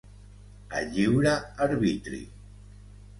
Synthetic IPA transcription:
a̰ʎiwɾaːɾβit̪ɾḭ

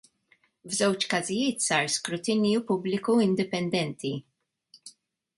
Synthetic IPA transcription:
vzɛwt͡ʃkɐzɪjɪːt̪sɐːɾskɾʊt̪ɪnjupʊblɪkuɪnd̪ɪpɛnd̪ɛnt̪ʰi

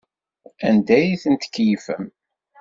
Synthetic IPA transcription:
ænd̪æjiθənt̪ə̥kːjifəm

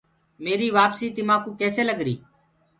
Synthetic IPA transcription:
meːɾiːʋaːpsiːt̪ɪmãːkũːkɛːseːləɡɾiː

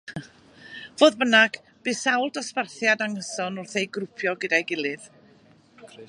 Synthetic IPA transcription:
voːðbənaɡ̥ | b̥ɨːsawlˠdɔsparθjadaŋəsɔnʊrθejɡɾʊpʰjɔɡədajɡɪlˠɨð

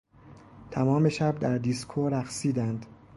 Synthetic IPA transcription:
t̪ʰæmɒːme̞ʃæb̚d̪æɾd̪iskʰoɾæxsiːd̪ænd̪̥

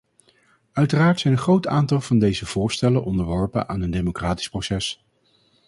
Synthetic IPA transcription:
œɥtəraːɹtsɛjnənχrowtaːntɑlˠv̥ɑndejzəv̥ʊːɹstɛlənʔɔndəɹʋɔɹpə̰nʔaːnəndemokraːti̥sprosɛs

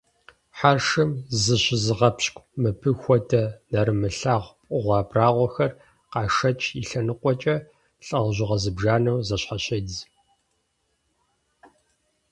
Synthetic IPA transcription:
ħaːrʂɨmzɨɕɪzɨʁɐpɕkʷʼmɨpʰɨxʷɔdʰɐnɐɾɨmɨɬaːʁʷpʼʊʁʷɑːbraːʁʷɔxɐr | qɑːʂɐt͡ʃʰʼiɬɐnɨqʷɔt͡ʃʼɐ | ɬʼɐʁʑɪʁɐzɨbʒaːnɐwzɐɕħaɕɐz

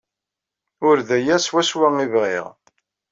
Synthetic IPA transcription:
ʊɾðæjæswæswæŋivʁḭʁ

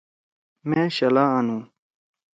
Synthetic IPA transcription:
mẽːɕɐlaanũː

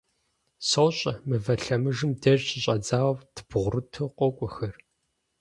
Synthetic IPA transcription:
sowɕʼɐmɨvɐɬɐmɨʒɨmdɐʒɕɪɕʼɐd͡zaːwɐptʰb̥ʁʷʊrɨtʰɨqʷɔkʷʼʊxɐr

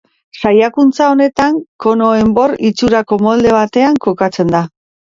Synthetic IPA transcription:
sajakunt͡sao̞ne̞t̪aŋko̞no̞e̞mbo̞rit͡suɾako̞mo̞ld̪e̞β̞at̪e̞aŋko̞kat͡se̞nd̪a

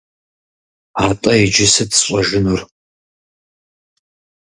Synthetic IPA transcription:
aːtʼɐid͡ʒɪsɨtsɕʼɐʒɪnur

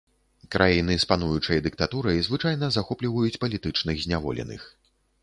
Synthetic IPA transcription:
kɾʔajinɨspanujut͡ʂɐjɐd̪ɨk̚t̪at̪uɾɐjzvɨt͡ʂajnɐzaxɔplʲivɐjut͡sʲpɐlʲit̪ɨt͡ʂnɨɣzʲnʲavɔ̰lʲɛ̰nɨ̰x

